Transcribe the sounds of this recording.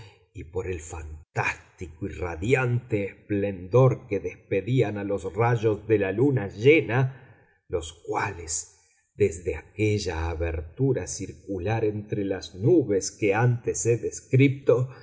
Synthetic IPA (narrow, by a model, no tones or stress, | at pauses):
ipo̞ɾe̞lfant̪ast̪ikoiraðjant̪eːsple̞nd̪o̞ɾkeðespe̞ðianalosraʒo̞zðe̞lalunaʒena | lo̞skwale̞s | d̪ezðe̞akeʒaːβḛɾt̪uɾasiɾkulaɾe̞nt̪ɾelaznuβeskeant̪eseðeskɾip̚t̪o